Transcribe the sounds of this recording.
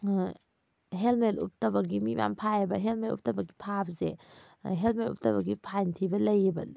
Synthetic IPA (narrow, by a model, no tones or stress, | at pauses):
ɦelmetṵp̚tɐbɐɡimima̰mpʰajɐbɐɦelmelṵp̚tɐbɐɡipʰabzḛ | ɦelmetṵp̚tɐbɐɡipʰajntʰibɐlɐjbɐ